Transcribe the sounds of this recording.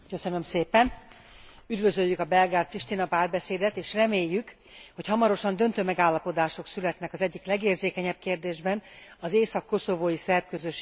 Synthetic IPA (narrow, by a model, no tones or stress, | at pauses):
kø̞sø̞nø̞mseːpɛn | yd̪vø̞zøjːykɒbɛlɡɾaːt̪̚priʃt̪inɒpaːrbɛseːd̪ɛt̪eːʃrɛmeːjːyk | ho̞chɒmɒɾo̞ʃɒnd̪ø̞nt̪øːmɛɡaːlːɒpo̞d̪aːʃo̞ksylɛt̪nɛkɒzɛɟːiklɛɡeːrzeːkɛɲɛp̚keːrd̪eːʒbɛnɒzeːsɒkːo̞so̞voːjisɛrp̚køzøʃ